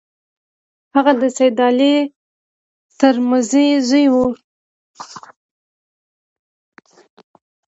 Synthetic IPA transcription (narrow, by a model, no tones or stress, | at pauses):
haɣad̪əsajd̪ɑle | t̪əɾməzezəjwu